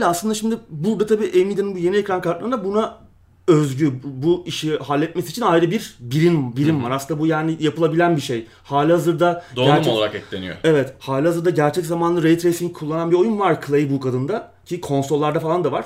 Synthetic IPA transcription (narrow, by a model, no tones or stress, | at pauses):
lʲɛaslˠɯnd̪aʃimd̪ɪbuɾd̪at̪ʰabiːʔemind̪aninbuje̞niecɾankaɾt̪lˠaɾɯnd̪abuna | øzɟybuiʃiɦalʲːɛt̪̚mesit͡ʃʰinajɾɯbiɾbiɾinbiɾinaɾasɯnd̪abujaːnijapʰɯlˠabilʲænbiʃej | haːlʲihazɯɾd̪ad̪oɟɾt͡ʃɛlˠaɾakɛclʲḛnḭjo̰e̞vɛt̪haːlʲihazɯɾd̪aɟæɾt͡ʃʰɛczamanˠɯɾejt̪ʰɾejsiŋkʰulˠːananbio̞junvaɾkʰlˠejbukʰad̪ɯnd̪a | cʰikʰo̞nsolˠːaɾd̪afalˠand̪avaɾ̥